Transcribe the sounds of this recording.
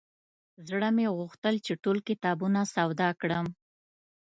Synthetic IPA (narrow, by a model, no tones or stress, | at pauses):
zɽəmeɣuxt̪əlt͡ʃeʈolkɪt̪ɑbunasawd̪ɑkɽəm